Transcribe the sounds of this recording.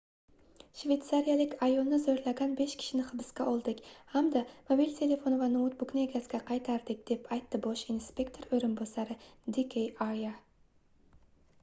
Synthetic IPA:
ʃve̞t̪saɾijalɪkʲajolˠnɪzoɾlaɡʲanbe̞ʃkʲʰɪ̥ʃɪnɪχɨbɪskʲaolˠd̪ɪkʲhamd̪amobilʲt̪ʲʰe̞lʲe̞fo̞nvanʊʊt̪̚bʊkʲnaeɡʲasɡʲaqʰɑjt̪ʰaɾd̪ɪk̚ʲd̪̥e̞pʰajt̪ːɪboʃinspʲe̞kt̪ʰo̞ɾɵjɾɪnbosaɾɪd̪ikʲʰejaja

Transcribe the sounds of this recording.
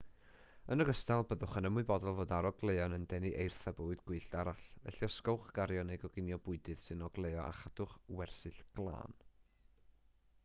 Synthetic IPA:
ənəɡəstalˠbəðʊχənəmʊɨbɔdɔlˠvoːdaɾɔɡlˠeɨɔnəndɛniʔejrθaboːɨdɡ̥wɨːɬd̥aɾaɬvɛ̰ɬjɔskɔwχɡ̥aɾjɔnɛɡɔɡɪnjɔbʊɨdɨð̥sɨnɔɡlˠejɔʔa̰χad̥ʊχwɛrsɨɬɡ̥lˠa̰ːn

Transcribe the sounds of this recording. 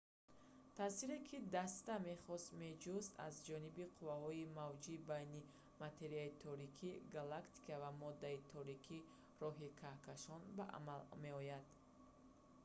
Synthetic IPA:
t̪ʰaːsiɾekʰid̪ast̪ame̞χɔst̪me̞d͡ʒuzt̪a̰zd͡ʒɔnibiqʰuvahɔimavd͡ʒibajni | mat̪ʰe̞ɾiait̪ʰɔɾikʰiɡalakt̪ʰi̥kavamɔd̪ːait̪ʰɔɾikʰi | rɔɦikʰahkʰaʃɔnbaʔa̰malme̞ɔjad̪̥

